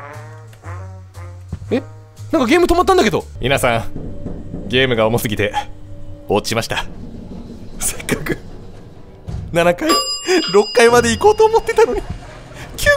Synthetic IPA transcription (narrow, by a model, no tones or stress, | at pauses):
e̞ | nãŋkaɡʲe̞ːmɯ̟t̪o̞mat̪ːãnd̪ake̞d̪o̞mʲʔʲinasãŋ | ɡʲe̞ːmɯ̟ɡaomosɨɡʲit̪e̞ | o̞ːtt͡ɕːi̥ɕimaɕi̥t̪a | sekːakɯ̟ | nanakaiɾo̞kːaimad̪eiko̞ːt̪oːmot̪ːe̞̥t̪ano̞ɲ̟i | kʲʰɨ